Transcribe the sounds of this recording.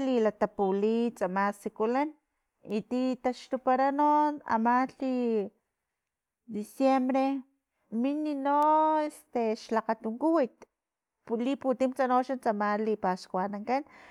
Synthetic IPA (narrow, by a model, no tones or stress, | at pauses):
lilat̪apulit͡samasikulan | it̪it̪aʃt̪upaɾanona̰maɬi | d̪isjembɾe | mininoest̪eʃlaqat̪uŋkuwit̪ | pliput̪imt͡sanoʃant͡samalipaskwanaŋkan